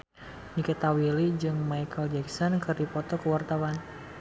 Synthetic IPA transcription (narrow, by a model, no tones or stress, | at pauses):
nikət̪awilid͡ʒɨŋmajkʰəld͡ʒɛksɔnkɨrdipɔt̪ɔkəwart̪awan